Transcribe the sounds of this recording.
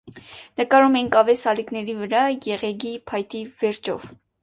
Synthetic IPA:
nəkɑɾumɛiŋkʰɑvɛsɑliknɛɾivəɾɑjɛʁɛɡipʰɑjt̪ivɛɾt͡ʃʰɔ̰v

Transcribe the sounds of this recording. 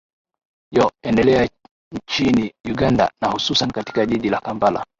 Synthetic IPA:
jɔɛndɛlɛa | ɲt͡ʃinijuɡanda̰nahususanikati̥kaʄiɗilakambala̰

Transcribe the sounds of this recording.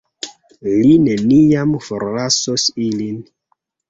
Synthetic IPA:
line̞niamfoɾlasosilin

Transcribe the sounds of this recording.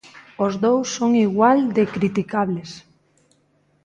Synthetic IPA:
ozðowsːoŋiɣwald̪ekɾit̪ikaβles

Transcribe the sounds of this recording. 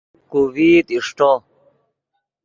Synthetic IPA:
kuwiːt̪iʂʈo

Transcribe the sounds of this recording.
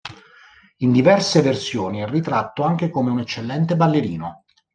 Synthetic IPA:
ind̪ivɛrseversjoːniɛrːit̪ɾat̪ːoaŋk̟ekomeunet͡ʃːelːɛnt̪ebalːeɾiːno

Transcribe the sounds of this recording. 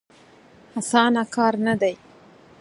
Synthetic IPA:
asɑnakɑɾnad̪aj

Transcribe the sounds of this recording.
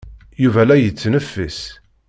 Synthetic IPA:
juvælæjət͡sːnəfːəs

